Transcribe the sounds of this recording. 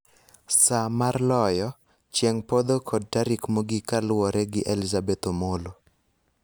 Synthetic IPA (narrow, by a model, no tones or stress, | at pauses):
samarlɔjɔ | t͡ʃjɛŋpod̪okʰɔd̚taɾikmoɡɪkalwɔɾʔɛɡɪʔelizabɛt̪omolo